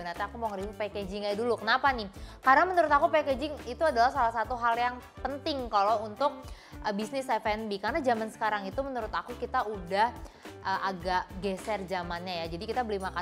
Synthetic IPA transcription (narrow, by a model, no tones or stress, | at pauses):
ənat̪aakumoŋəɾimupeked͡ʒɪŋɲadulukənapanɪkaɾənamənuɾʊt̪akupeked͡ʒɪŋit̪uadalahsalahsat̪uɦaljaŋpənt̪ɪŋkalount̪ʊk̚ | ʔəbisnɪsɛfɛnbikarənad͡ʒamansə̥kaɾaŋit̪umənuɾʊt̪akukit̪audahʔəʔaɡaʔɡɛsɛrd͡ʒamanɲajad͡ʒadikit̪abəlimaka